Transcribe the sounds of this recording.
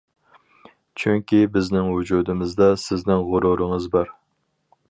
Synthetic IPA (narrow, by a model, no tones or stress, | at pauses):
t͡ʃʰyŋkʲibɪznɪŋwud͡ʒuːd̪ɪmɪzd̪ɑsɪznɪŋʁʊɾuɾɨŋɨzbɑɾ